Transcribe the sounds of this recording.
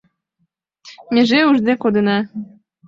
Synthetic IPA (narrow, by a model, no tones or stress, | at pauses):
mʲeʒeuʒd̪ekod̪ɨnɑ